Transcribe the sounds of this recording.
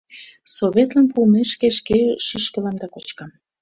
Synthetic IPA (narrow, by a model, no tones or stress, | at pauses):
soβʲet̪lɑnpulmeʃkeʃkeʃyʃkə̆lɑmd̪ɑkot͡ɕkɑm